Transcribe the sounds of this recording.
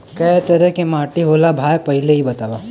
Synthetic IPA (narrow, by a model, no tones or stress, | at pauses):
kɐɦt̪ɐɾɛkemaːʈiɦoːlabʱaːjpɐɦɪleɦibɐt̪aːʋa